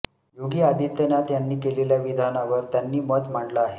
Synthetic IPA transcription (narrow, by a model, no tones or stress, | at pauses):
joɡiːad̪ʱit̪ːənat̪janːiːkeleljaʋid̪ʱanaʋəɾt̪janːiːmət̪m̤aɳɖlaːɦe